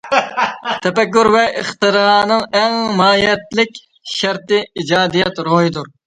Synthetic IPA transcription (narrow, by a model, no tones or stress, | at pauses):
t̪ʰɛpɛkːuɾvɛʔəχt̪ɨɾɑnɨŋɛŋmɑːjɛt̪lɪkʲ | ʃæɾt̪ɪid͡ʒɑːd̪ijɛt̪ɾoɦid̪uɾ